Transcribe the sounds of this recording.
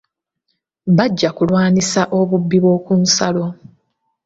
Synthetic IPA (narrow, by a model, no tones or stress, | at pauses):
βaɟːakulwaːnisaʔo̞βubːiβwo̞ːkunsalo̞